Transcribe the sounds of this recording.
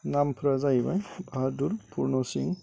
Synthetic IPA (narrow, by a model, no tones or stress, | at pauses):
nampʰɾazajbajbʱaaɾduɾpuɾnɔsiŋ